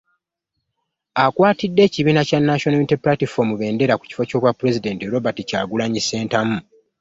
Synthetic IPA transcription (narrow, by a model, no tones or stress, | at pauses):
akwaːtidːe̞ːciβiːnacanːaʃonomitepɾatifo̞ːmuβe̞ːnde̞ɾaku̥ci̥fo̞co̞ːβwapːuɾe̞zide̞nteɾo̞batica̰ːɡulaɲise̞ːntamu